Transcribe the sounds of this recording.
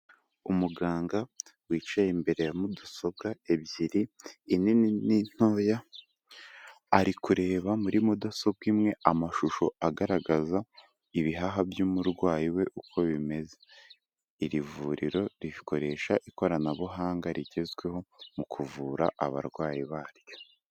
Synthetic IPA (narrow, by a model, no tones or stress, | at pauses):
umuɡaːŋɡawiːt͡ʃajembe̞ɾe̞jamuduso̞b̚ɡae̞bɟiɾiːnininin̥o̞ːja | ɾikuɾe̞ːβamuɾimudoso̞ɡɡwimŋe̞amaʃuʃo̞aɡaɾaɡaza | iβiɦaɦabjuːmuɾɡwaːjiwe̞ʔukʰo̞βime̞ze | iɾivuɾiɾo̞ɾiβikʰo̞ɾe̞ːʃaʔiko̞ɾanaβuɦaːŋɡaɾiɟe̞zɡwe̞ɦo̞mukʰuvuːɾa̰ʔa̰βa̰ɾɡwaːjiβaːɾjo̞